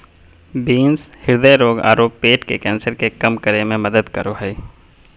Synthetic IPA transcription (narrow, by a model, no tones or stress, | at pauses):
biːnshɪɾd̪əɾoːɡa̰ːɾoːpːeːʈkekɛ̃ːnsəɾkekɐmkəɾemẽmɐd̪əd̪kə̰ɾoɦɛː